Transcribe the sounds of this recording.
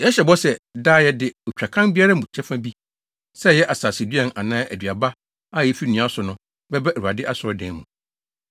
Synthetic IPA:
jɛ˦ɕɛ˨bɔ˦sɛ˨daː˦˨jɛ˦dɪ˨ɔ˨t͡ɕᶣa˨kʰã˦nbi˦a˦ɾa˦m˨ʊ̃˨t͡ɕʰɛ˦fã˦bi˦ | sɛ˦jɛ˦ʔa˨saː˨si˨dɥɛ̃˨nã˨nãː˦ʔæ̰˨dɥa˨ba˦ | a˦jɛ˦fi˦nĩ˨˦ã˦sʊ˨nʊ̃˦ | bɛ˦bɛ˦æ˨u˨a˨dɪ˦ʔa˦sʊ˨ɔ˦dɛ̃˨n˦mṵ̃˨

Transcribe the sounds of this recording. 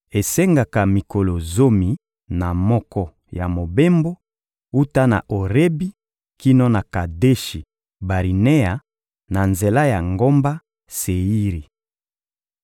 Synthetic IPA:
e˨se˦ŋɡa˨ka˨mi˨ko˨lo˨zo˦mi˨ | na˨mɔ˦kɔ˦ | ja˨mo˨be˦mbo˦ | u˦ta˦na̰˨ʔo˨ʁe˦bi˦ | ki˦no˦na˨ka˨de˦ʃi˨ | ba˨ʁi˨ne˦a˨ | na˨nze˨la˦ja˨ŋɡo˦mba˦ | se˨i˦ʁi˨

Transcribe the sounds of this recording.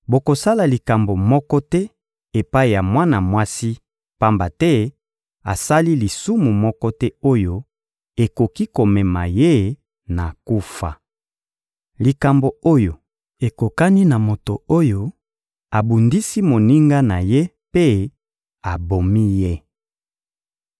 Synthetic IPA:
bo˨ko˨sa˦la˨li˨ka˨mbo˨mɔ˦kɔ˦tɛ˦ | e˨pa˦i˨ja˨mwa˦na˨mwa˦si˦ | pa˦mba˨tɛ˦ | a̰˨sa˦li˦li˨su˦mu˨mɔ˦kɔ˦tɛ˦o˦jo˦ | e˨ko˨ki˦ko˨mɛ˨ma̰˨je˦ | na˨ku˦fa̰˨ | li˨ka˨mbo˨o˦jo˨ | e˨ko˨ka˦ni˦na˨mo˨to˨o˦jo˦ | a˨bu˨ndi˦si˦mo˨ni˦ŋɡa˦na˨je˦ | pe˦ | a˨bo˨mi˦je˦

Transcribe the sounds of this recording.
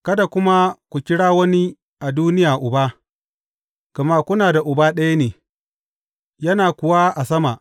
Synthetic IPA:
kɐ˦da˨kʷʊ˦ma˦kʷu˨kʲɪ˦ɽaː˦wɐ˦ni˦ | ʔa˨duː˦nɪ˦jaː˨ʔʊ˨baː˦ | ɡ̥ɐ˨ma˦kʷʊ˦naː˨da˨ʔʊ˨baː˦ɗɐ˦ja˦neː˨ | jɐ˦naː˨kʷʊ˨wa˦ʔa˨sɐ˦ma˨ʔ

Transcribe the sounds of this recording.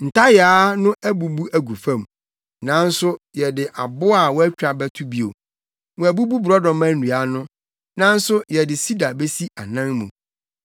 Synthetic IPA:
n̩˨tʰa˦jaː˦nʊ̃˦ʔæ˦bu˨bu˦æ˦ɡu˨fã˦m | nã˨˦n̩˦sʊ˦jɛ˨dɪ˨ʔa˨bʊ˦a˦˨wɔ˦æ˦t͡ɕᶣɾa˨bæ˦tʰu˦bi˦o̰˨ | wɔ̃˨æ˨bu˦bu˦bɾɔ˦dɔ̃˨mæ̃˦n̩˦u˨a˦nʊ̃˦ | nã˦n̩˦sʊ˦jɛ˨dɪ˨si˦da˨be˦si˦ʔa˨nã˦nmṵ̃˨

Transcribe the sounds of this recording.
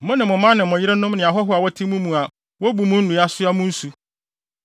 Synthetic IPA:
mʊ̃˦nɪ̃˨mʊ̃˨mã˦nɪ̃˨mʊ̃˨jɪ˦ɾɪ˦nʊ̃˦mnɪ̃˨a˨ɦɔ˦ɦʊ˦a˨wɔ˦tʰĩ˦mũ˦mũ˨a˨ | wɔ˦bu˨mʊ̃˦n̩˦nũ˨a˦sʊ˦a˦mʊ̃˦n̩˦su˨

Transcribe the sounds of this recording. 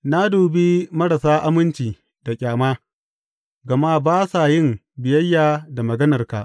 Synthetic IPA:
na˦doː˨bi˦mɐ˦ɽa˨saː˦ʔa˦mɪ˦nt͡ʃiː˨ | d̥a˨kʲʼaː˨maː˦ | ɡɐ˨ma˦baː˦sa˨jɪ˦m | bɪ˨jɐ˦jːaː˨da˨mɐ˨ɡɐ˦nɐ˨rka̰˨ʔ

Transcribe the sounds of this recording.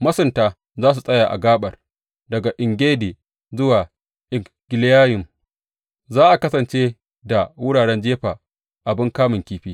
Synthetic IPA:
mɐ˦sʊ˨ntaː˦ | zaː˦s̬u˨sʼɐ˦jaː˨ʔa̰˨ɡaː˦ɓɐ˨r | dɐ˨ɡa˨ʔɪ˨ŋɡʲeː˦diː˨ | zʊ˦waː˨ | ʔɪ˨ | ɡ̥ʲɪ˨ljaː˦jɪ˨m | zaː˦ʔa˨kɐ˦sɐ˨nt͡ʃeː˦ | da˨wʊ˦ɽaː˨ɽɛ˦nd͡ʒeː˦ɸaː˨ | ʔa˨bɪ˦ŋkaː˦mɪ˨ŋkʲiː˦ɸiː˦

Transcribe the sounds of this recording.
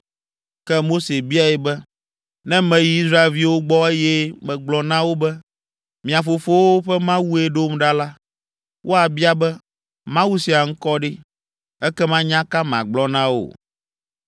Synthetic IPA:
kɛ˦mo˦se˨bi˦a˨ɛ˨bɛ˦ | nɛ̃˦mɛ̃˨ji˦i˦sɾa˦e˨lvi˦wo˦ɡ͡bɔ˦e˦jɛ˦mɛ̃˨ɡ͡blɔ˦nã˦wo˦bɛ˦ | mĩ˨a˨fo˨fo˦wo˦ɸɛ˦mã˦wu˦e˦ɖo˦mɖa˦la˦ | wʔo˦a˨bi˦a˦bɛ˦ | mã˦wu˦si˨a˨ŋ̩˦kɔ˦ɖe˦ | ɛ˦kɛ˦mã˦ɲã˦ka˦mã̰˨ɡ͡blɔ˨nã˦wo̰˨

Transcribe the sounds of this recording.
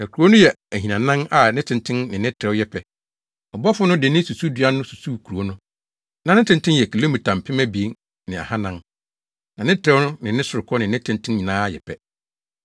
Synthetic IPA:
nã˨kʰu˨ɾu˨˦o˦nʊ̃˦jɛ˨ | æ˨ɦĩ˨nã˨nã˦na˨nɪ̃˦tʰɪ̃˨ntʰɪ̃˦nnɪ̃˨nɪ̃˦tʰɾɛ˦wjɛ˦pʰɛ˨ | ɔ˨bɔ˦fʊ˦nʊ̃˦dɪ˨nɪ̃˦su˨su˦dɥa˦nʊ̃˦su˨su˦kʰu˨ɾu˨o˦nʊ̃˦ | nã˨nɪ̃˦tʰɪ̃˦ntʰɪ̃˦jɛ˨kʰi˨le˦mĩ˨tʰã˨m˨pʰɪ˦mɛ̃˦bi˨˦n | nɪ̃˨a̰˨hã˦nã˦n | nã˨nɪ̃˦tʰɾɛ˦wnʊ̃˦nɪ̃˨nɪ̃˦sʊ˨ɾɪ˨kʰɔ˦nɪ̃˨nɪ̃˦tʰɪ̃˦ntʰɪ̃˦nɲĩ˨nãː˦jɛ̰˨pʰɛ˦

